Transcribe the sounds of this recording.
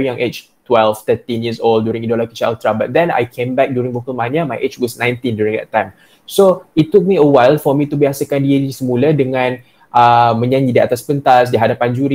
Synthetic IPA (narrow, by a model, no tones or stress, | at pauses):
jãŋʔet͡ʃ | twɛlft̪ət̪ĩnjiəsolddːjuɾĩŋidolɔkit͡ʃalt̪ɾabat̪̚d̪ɛ̃na̰jkʰẽmbɛk̚djuɾĩŋvokəlmãnamajʔet͡ʃwɔsnãj̃nt̪ĩndjuɹĩŋd̪ɛ̰tːãjm | soitːuk̚miəwajlfɔmĩt̪ubiasəkandiəisəmũladəŋãn | ʔəmə̃ɲãɲidia̰t̪aspənt̪asdiɦadapand͡ʒuɾi